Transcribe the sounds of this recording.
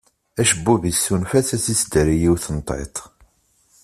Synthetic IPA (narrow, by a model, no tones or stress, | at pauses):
æʃəbːuvisːunfæθæsisd̪ɾijiwθənt̪ˤḛt̪ˤ